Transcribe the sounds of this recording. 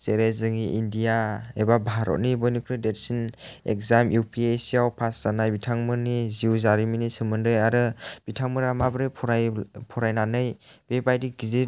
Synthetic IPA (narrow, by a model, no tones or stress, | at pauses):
seɾezɯŋiʔindijaebabʱaɾɔ̰t̚nibɔjnikʰɾɯdet̚sinḛk̚zamjupʰiesiawpʰasz̥anajbitʰaŋmɯniziuzaɾiminisɯmɯndɯjaɾɯb̥itʰaŋmɯɾamabɾɯpʰɾapʰɔɾajnanɯjb̥ebajdiɡidit̚